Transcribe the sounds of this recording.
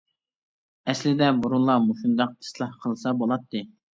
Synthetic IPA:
ɛslɪd̪ɛbuɾulˠɑmuʃund̪ɑq̚t̪ʰɨ̥slˠɑhqʰəlˠsɑbolˠɑt̪ʰːɨ

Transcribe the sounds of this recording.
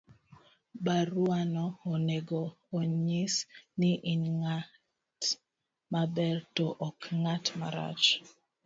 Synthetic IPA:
baɾuanɔːneɡoː | ɲisnɪʔinŋa | t | mabɛrtoʔɔkŋatma̰ɾa̰t͡ʃ

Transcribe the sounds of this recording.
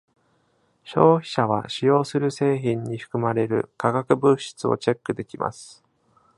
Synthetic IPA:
ɕo̞ːçi̥ɕaβa̰ɕijo̞ːsɨɾɯ̟se̞ːçĩɲ̟ːiɸɯ̥kɯ̟maɾe̞ɾɯ̟̰kaɡakɯ̟bɯɕi̥t͡sɨo̞̰t͡ɕe̞kːɯ̟d̪e̞kʲimʔa̰sɨ̥

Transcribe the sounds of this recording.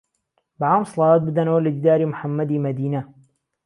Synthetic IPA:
baʕaːmsˤɑlɑːwaːt̪̚bɨd̪ɐnɐwɐlad͡ʒd̪aːɾiːmʊħamːɐd̪iːmɐd̪iːnɐ

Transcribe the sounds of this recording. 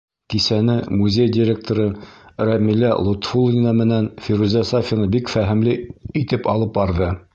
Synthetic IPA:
kisænɘmuzʲejdʲɪɾʲek̚t̪oɾɤɾæmilæ̰lˠot̪fulˠnʲɪnɑmɘ̆nænfiɾuzʲæsafʲinɑbikfæɦɘ̆mlɘit̪ɘpɑlˠɤp̚bɑɾðɤ

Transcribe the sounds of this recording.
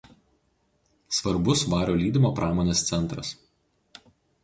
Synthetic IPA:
sʋɐɾbʊsʋɑːɾʲoːlʲiːd̪ʲɪmoːpɾʔɑːmoːnʲeːst̪sʲɛnˑt̪ɾɐ̰s

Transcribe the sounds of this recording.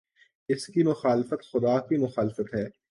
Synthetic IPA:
ɪskimʊxaːlfət̪xʊd̪aːkimʊxaːlɪfət̪ɦɛː

